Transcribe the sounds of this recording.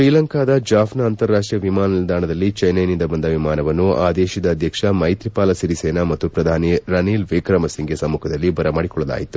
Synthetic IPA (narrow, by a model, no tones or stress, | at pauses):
ʃɾiːlɐŋkaːd̪ɐd͡ʒaːfʰnɐːnt̪ɐɾːaːʂʈɾijɐʋimaːnɐnild̪aːnɐd̪ɐlːit͡ʃɐjnɐjnind̪ɐbɐnd̪ɐʋimaːnɐʋɐnːuʔa̰ːd̪eːʃid̪ɐːd̪ʱjɐkʂɐmɐjt̪ɾipaːlɐsiɾiseːnaːmɐt̪ːupɾɐd̪ʱaːniɾɐniːlʋiːkɾɐmɐsiŋɡesɐmːukʰɐd̪ɐlːibɐɾɐmaːɽikɔɭːɐla̰ːjit̪ːu